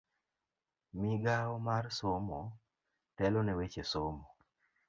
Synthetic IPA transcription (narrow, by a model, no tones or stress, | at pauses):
miɡaɔmarsomo | tɛlɔnɛwet͡ʃesomɔ